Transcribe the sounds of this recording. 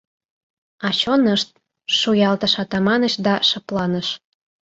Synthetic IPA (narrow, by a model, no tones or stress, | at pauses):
ɑt͡ɕonəʃt̪̚ | ʃujɑlt̪əʃɑt̪ɑmɑnəɕd̪ɑʃɤ̆plɑnəʃ